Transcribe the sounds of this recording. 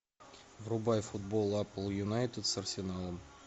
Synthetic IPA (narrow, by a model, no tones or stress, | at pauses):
vrubajfud̪̚bolˠapəlˠjunajt̪ʲɪd̪sɐrsʲɪnalˠəm